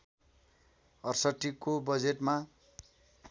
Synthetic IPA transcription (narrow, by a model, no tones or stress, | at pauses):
ʌrsʌʈːikobʌd͡zeʈma